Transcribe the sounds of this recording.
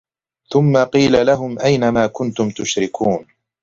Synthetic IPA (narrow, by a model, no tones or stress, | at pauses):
θʊmːaqiːlalaɦʊmʔajnamaːkʊnt̪ʊmt̪ʊʃɾɪkʰuːn